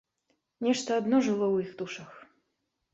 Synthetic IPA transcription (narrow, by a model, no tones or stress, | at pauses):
nʲɛʂt̪ɐad̪nɔʐɨlˠɔwixd̪uʂɐx